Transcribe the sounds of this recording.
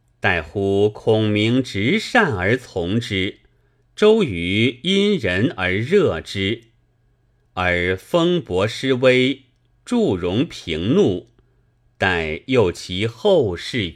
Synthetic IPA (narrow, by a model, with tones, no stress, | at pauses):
t̪a˥˩ɪxu˥kʰʊ˥ŋmi˧˥ŋʈ͡ʂɻ̩˧˥ʂa˥˩nə˞˧˥t͡sʰʊ˧˥ŋʈ͡ʂɻ̩˥ | ʈ͡ʂo˥ʊy˧˥i˥nɻə˧˥nə˞˧˥ɻɤ˥˩ʈ͡ʂɻ̩˥ | ə˞˧˥fɤ˥ŋpwɔ˧˥ʂɻ̩˥we˥ɪ | ʈ͡ʂu˥˩ɻʊ˧˥ŋpʰi˧˥ŋnu˥˩ | t̪a˥˧˩njo˥˩ʊt͡ɕʰi˧˥xo˥˧ʊʂɻ̩˥˩